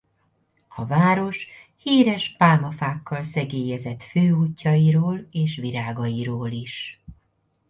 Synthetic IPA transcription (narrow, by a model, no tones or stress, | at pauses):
ɒvaːɾo̞ʃ | hiːɾɛʃpaːlmɒfaːkːɒlsɛɡeːjɛzɛt̪føːuːcːɒjiɾoːleːʃʋiɾaːɡɒjiɾoːliʃ